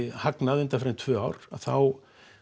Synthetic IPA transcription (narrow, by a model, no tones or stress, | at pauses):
haknaðʏnt̪afɾɪnt̪ʰvœːaːwɾ̥a̰ðθaw